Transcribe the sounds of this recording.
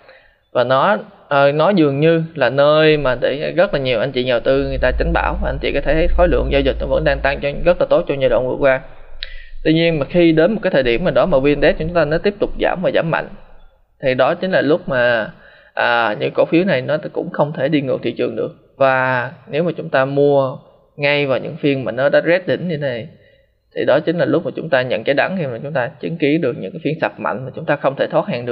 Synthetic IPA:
vaː˨˩nɔ˨˦ | ʔəː˨˩nɔ˨˦zɨ˨˩əŋɲɨ˧laː˨˩nəː˧jmaː˨˩ɗḛ˧˩˨ɣə˦˥t̚laː˨˩ɲi˨˩əwʔa˧jŋ̟t͡ɕḭ˧˨ɲa˨˩wt̪ɨ˧ŋɨ˨˩əjt̪aː˧t͡ɕa˨˦ŋ̟ɓa̰ː˧˩wma˨˩ʔa˧ŋ̟t͡ɕḭ˧˨kɔ˨˦t̪ʰe˧˩t̪ʰə˨˦jxɔ˨˦jlɨ̰˧˨əŋzaː˧zi˨˩t̟̚nɔ˨˦və̰˧˥nɗaː˧ŋt̪a˧ŋt͡ɕɔ˧ɣə˦˥t̚laː˨˩t̪o˦˥t̚t͡ɕɔ˧ɲaː˧˩jɗo̰˧˨nvɨ̰˧˩ək̚waː˧ | t̪wi˧ɲi˧ənmaː˨˩xi˧ɗe˨˦nmo˨˩t̚aː˨˦t̪ʰəː˨˩ɗi˧˩mːaː˨˩ɗɔ˨˦maː˨˩vi˧ənɗɛ˦˥t̚t͡ɕɔ˨˩˦ʊ˦ŋ͡mt̪aː˧nɔ˨˦t̪i˦˥əp̚t̪ʊ˨˩k͡p̚za̰ː˧˩mvaː˨˩zaː˧˩˦mːa̰˧˨ŋ̟ | t̪ʰi˨˩ɗɔ˨˦t͡ɕi˨˦ŋ̟laː˨˩lʊ˦˥k͡p̚maː˨˩ | ʔəː˨˩ɲɨ̰˧˥ko˧˩fi˨˦əwna˨˩jnɔ˨˦kʊ̰˧˥ŋ͡mxə˧wŋ͡mt̪ʰe˧˩ɗi˧ŋɨ˨˩k̚t̪ḭ˧˨t͡ɕɨ˨˩əŋɗɨ̰˨˩ək̚ | vaː˨˩ne˨˦wmaː˨˩t͡ɕʊ˨˦ŋ͡mt̪aː˧mu˧ə | ŋa˧jvaː˨˩wɲɨ̰˧˥ŋfi˧ənmaː˨˩nɔ˨˦ɗa̰ː˧˥zɛ˦˥t̚ɗï˧˩˦ŋ̟ɲɨ˧˦na˨˩j | t̪ʰi˨˩ɗɔ˨˦t͡ɕï˨˦ŋ̟laː˨˩lʊ˦˥k͡p̚maː˨˩t͡ɕʊ˨˦ŋ͡mt̪aː˧ɲə̰˧˨nt͡ɕa˨˦jɗa˨˦ŋxi˧maː˨˩t͡ɕʊ˨˦ŋ͡mt̪aː˧t͡ɕɨ˨˦ŋki˨˦əɗɨ˨˩ək̚ɲɨ̰˧˥ŋkaː˨˦fi˧ənsa˨˩p̚ma̰˧˨ŋmaː˨˩t͡ɕʊ˨˦ŋ͡mt̪aː˧xə˧wŋ͡mt̪ʰe˧˩t̪ʰwːt̚haː˨˩ŋɗɨ˨˩ə

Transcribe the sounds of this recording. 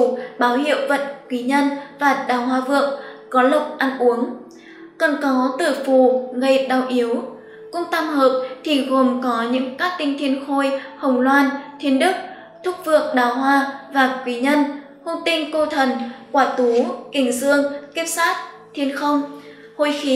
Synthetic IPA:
ɓaː˨˦whḭ˧˨ə˨wvə˨˩t̚kwi˨˦ɲə˧nvaː˨˩ɗaː˨˩wɦwaː˧vɨ˨˩ək̚ | kɔ˨˦lʊ˨˩k͡p̚ʔa˧nʔu˨˦əŋ | kə˨˩nkɔ˨˦t̪ɨ˧˩fu˨˩ɣə˧˩jɗa˨˩wʔi˨˦əw | kʊ̰˧˥ŋ͡mt̪a˧mhəː˨˩p̚t̪ʰi˨˩ɣo˨˩mkɔ˨˦ɲɨ̰˧˥ŋkaː˦˥k̚t̪ï˧ŋt̪ʰi˧ənxo˧jhə˨˩wŋ͡mlwaː˧nt̪ʰi˧ənɗɨ˦˥k̚ | t̪ʰʊ˦˥k͡p̚vɨ˨˩ək̚ɗaː˨˩wɦwaː˧vaː˨˩kwi˨˦ɲə˧n | ho˧ŋ͡mt̪ï˧ŋkə˧wt̪ʰə˨˩nkwaː˧˩t̪u˨˦kï˧˩ŋ̟zɨ˧əŋki˦˥p̚saː˦˥t̚ | t̪ʰi˧ənxə˧wŋ͡m | ho˧jxi˨˦

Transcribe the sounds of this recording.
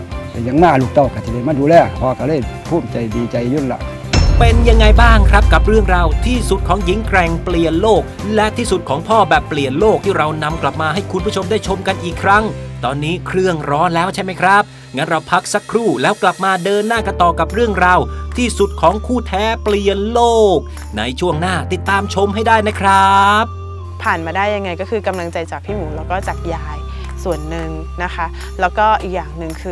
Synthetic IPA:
t̪ɛ˧˩ja˧ŋnaː˥˩luː˧˩k̚t̪ɔ˧˩wkaː˧˩t͡ɕa˨˩da˧˩maː˧˥˩duː˧lɛː˧˩pʰɔː˧ka˧˩lɤː˧˥˩jpʰuː˥˩mt͡ɕa˨˧jdiː˧t͡ɕa˧jju˦˧˥la̰˧˩ | pe˧nja˧ŋːa˧jbaː˥˩ŋkʰɾa˦˥p̚ka˨˩p̚ɾɯ˥˩əŋɾa˧wt̪ʰiː˥˩su˨˩t̪̚kʰɔː˩˦ŋji˨˦ŋkɾɛ˨˩ŋpli˨˩ənloː˥˩k̚lɛ˦˥ʔt̪ʰiː˥˩su˨˩t̪̚kʰɔː˩˦ŋpʰɔː˥˩bɛː˨˩pːli˨˩ənloː˥˩k̚t̪ʰiː˥˩ɾa˧wna˧mkla˨˩p̚maː˧ɦa˥˩jkʰu˧npʰu˥˩t͡ɕʰmdaː˥˩jt͡ɕʰo˧mka˧nʔiː˨˩kʰːɾa˦˥ŋt̪ɔː˧nːiː˦˥kʰɾɯ˥˩əŋɾɔː˦˥nlɛː˦˥wt͡ɕʰa˥˩jma˦˥jkʰɾa˦˥p̚ | ŋa˦˥nɾa˧wpʰa˦˥k̚sa˦˥kʰɾuː˥˩lɛː˦˥wkla˨˩p̚maː˧dɤː˧nːaː˥˩ka˧nt̪ɔː˨˩ka˨˩p̚ɾɯ˥˩əŋɾa˧wt̪ʰiː˥˩su˨˩t̪̚kʰɔː˩˦ŋkʰuː˥˩t̪ʰɛː˦˥pli˧ənloː˥˩k̚ | na˧jt͡ɕʰu˥˩əŋnaː˥˩t̪i˨˩t̪ːaː˧mt͡ɕʰo˧mhɦa˥˩jdaː˥˩jna˦˥kʰɾa˦˥p̚ | pʰaː˨˩nmaː˧daː˥˩jːa˧ŋːa˧jkɔː˥˩kʰɯː˧ka˧mla˧ŋt͡ɕa˧jt͡ɕaː˨˩k̚pʰiː˥˩muː˩˦lɛː˦˥wkɔː˥˩t͡ɕaː˨˩k̚jaː˧j | su˨˩ənːɯ˨ŋ | na˦˥kʰa˦˥ | lɛː˦˥wkɔː˥˩ʔiː˨˩k̚jaː˨˩ŋnɯ˨˩ŋkʰɯː˧

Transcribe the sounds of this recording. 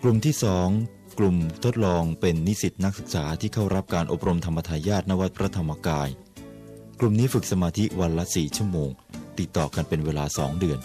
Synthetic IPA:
klu˨˩mt̪ʰiː˥˩sɔː˩˦ŋ | klu˨˩mt̪ʰo˦˥t̪̚lɔː˧ŋpe˧nːi˦˥si˨˩t̪̚na˦˥k̚sɯ˨˩k̚saː˩˦t̪ʰiː˥˩kʰa˥˩wɾa˦˥p̚kaː˧nʔo̰˨˩p̚ɾo˧mt̪ʰa˧mːa˧t̪ʰaː˧jaː˥˩t̪̚na˦˥wa˦˥t̪̚pʰɾa˦˥t̪ʰa˧mːa˧kaː˧j | klu˨˩mniː˦˥fɯ˨˩k̚sa˧maː˧t̪ʰi˦˥wa˧nla˦˥siː˨˩t͡ɕʰu˥˩əmoː˧ŋ | t̪i˨˩t̪ːɔ̰ː˨˩ka˧npe˧nweː˧laː˧sɔ̰ː˩˦ŋdɯ˧ən

